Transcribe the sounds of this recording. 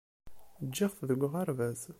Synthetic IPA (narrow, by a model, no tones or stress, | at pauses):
d͡ʒːiʁθðəɡʷʁaɾvæz